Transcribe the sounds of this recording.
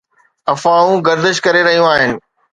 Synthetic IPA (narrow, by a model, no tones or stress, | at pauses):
ɐfaũɡɐɾd̪əʃkɐɾeɾɐɦijũaːɦɪnɪ̆